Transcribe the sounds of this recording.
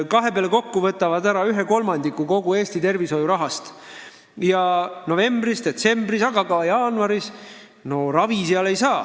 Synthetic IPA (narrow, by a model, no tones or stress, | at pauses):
kɑɦe̞peɑleko̞kːuvɤt̪ːˑɑvɑd̪æɾɑyɦeko̞lmɑnd̪̥ikːuko̞ɡ̥ue̞ːst̪it̪e̞rviso̞juɾɑɦɑst̪ | jɑno̞ve̞mbrisd̪e̞t̪se̞mbrisɑɡ̥ɑkɑjɑːnuɑɾis | no̞rɑviseɑle̞jsɑː